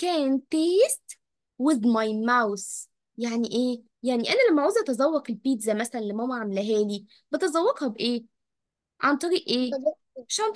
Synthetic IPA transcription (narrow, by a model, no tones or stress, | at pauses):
kæːnt̪eːst̪ | weðmɑjmæws | jaʕniʔeː | jaʕniʔænælæmːæʕuːzʔæt̪ɑzˤɑwːɑqelpiːt̪zæmæsælænlæmːæhowːæʕamelæɦæːli | b̥et̪ɑzˤɑwːɑqhæbʔeː | ʕant̪ˤɑɾiːʔʔeːzɑ | ʃæn